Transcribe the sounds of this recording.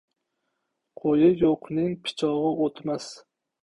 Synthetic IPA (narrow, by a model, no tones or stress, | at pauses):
qʰojɪjoqʰnɪŋpʰɪ̥t͡ʃʰɒʁɨot̪mas